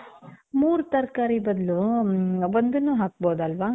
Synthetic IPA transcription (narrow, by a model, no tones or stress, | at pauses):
muːɾut̪ɐɾkaːɾibɐd̪lu | ond̪ɐnːuːɦaːk̚boːd̪ɐlʋaː